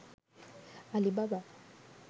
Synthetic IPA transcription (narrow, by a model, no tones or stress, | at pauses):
alibaba